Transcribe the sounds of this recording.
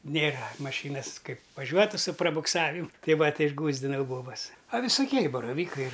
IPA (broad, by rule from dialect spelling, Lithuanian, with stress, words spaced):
ˈnʲeːrɐ mɐˈʃʲiːnɐs ˈkɐɪp ʋɐˈʒʲuɔtʊ sʊ prɐbʊkˈsɑːʋʲɪmʊ ˈtʲɛɪ ˈʋɐ ˈtʲɛɪ ɪʒˈɡuːzʲdʲɪnɐʊ ˈboːbɐs ɐ ʋʲɪsʊˈkʲiɛ ɪ bɐrɐˈʋʲiːkɐɪ